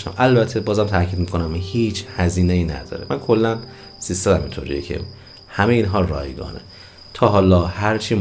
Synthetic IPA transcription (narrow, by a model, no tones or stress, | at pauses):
ʃt̪æ̰mʔælbæt̪ʰːebɒːzæmt̪ʰæɾcʰiːd̪̚mikʰonæmhiːt͡ʃʰhæziːnejiːnæ̰d̪ɒ̰ːɾemænkʰo̞lːæn | z̥iːst̪ɒːd̪æmḭnt̪ʰoːɾḭːjecʰḛ | hæmejeiːnɦɒːrɒ̰ːjɡɒ̰ːnḛ | t̪ʰɒːɦɒːlɒːhæɾt͡ʃʰiː